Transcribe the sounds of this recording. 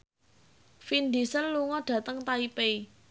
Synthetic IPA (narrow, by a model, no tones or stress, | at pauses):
find̪isənluŋɔɖ̥ä̤t̪əŋt̪aipei